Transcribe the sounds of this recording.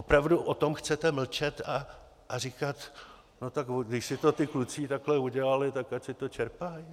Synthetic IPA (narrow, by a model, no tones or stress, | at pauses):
opɾavduʔot̪o̞mxt͡sɛt̪ɛml̩t͡ʃɛt̪a | ʔarɪkat̪ | no̞t̪akoɡdɪʃsɪt̪o̞t̪ɪklut͡siːt̪aklɛuɟɛlalɪt̪akacsɪt̪o̞t͡ʃɛɾpaj